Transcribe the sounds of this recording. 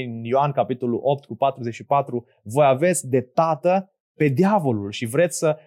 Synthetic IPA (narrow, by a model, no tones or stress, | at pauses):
injoankapit̪o̞lṵʔo̞p̚t̪kupat̪ɾuze̞t͡ʃʃipat̪ɾu | vo̞jave̞t̪sʲd̪e̞t̪at̪ə | pe̞d̪iavo̞lulʃivɾe̞t̪sʲsə